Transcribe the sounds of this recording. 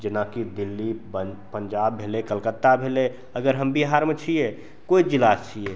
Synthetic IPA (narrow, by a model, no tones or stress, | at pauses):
d͡ʒenakid̪ilːibəpənd͡ʒabːʱelekəlkət̪ːabʱele | əɡəɾɦəmbiɦaɾmet͡ʃʰije | koid͡ʒilast͡ʃʰije